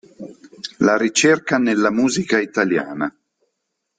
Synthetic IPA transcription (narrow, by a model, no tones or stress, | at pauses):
laɾit͡ʃerkanelːamuːzikait̪alja̰ːna